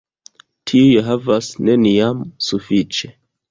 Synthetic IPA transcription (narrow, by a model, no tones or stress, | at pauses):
tʰiujeɦavasne̞niamsufit͡ʃe̞